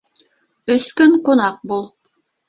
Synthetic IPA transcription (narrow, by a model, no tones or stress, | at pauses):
ɵ̆skɵɴqŏnɑq̚bulˠ